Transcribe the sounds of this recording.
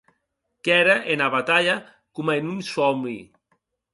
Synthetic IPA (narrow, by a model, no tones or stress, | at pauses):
kɛɾaʔenaβat̪aʎa | kumaenunsɔmḭ